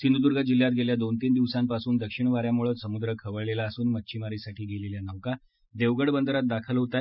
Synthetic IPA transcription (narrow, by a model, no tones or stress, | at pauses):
sind̪ud̪uɾɡad͡ʑil̤ːjat̪̚ɡʱeljad̪ont̪iːnd̪iʋsampasuːnd̪əkʂiɳ̃ʋaɾjamuɭət̪səmud̪ɾəkʰəʋəɭlelaəsuːnmətːɕʰimaɾisaʈʰiːɡʱeleljanaʋka | d̪eʋɡəɽbənd̪əɾat̪̚d̪akʰəlɦot̪a